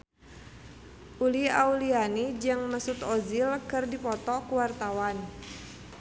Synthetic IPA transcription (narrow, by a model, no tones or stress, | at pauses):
ʔuliaulianid͡ʒɨŋnəsut̪ɔzilkɨrdipɔt̪ɔkuwart̪awan